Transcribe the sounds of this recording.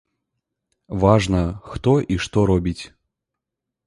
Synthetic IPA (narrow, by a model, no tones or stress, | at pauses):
vaʐnəxt̪ɔʔiʂt̪ɔɾɔbʲitʲ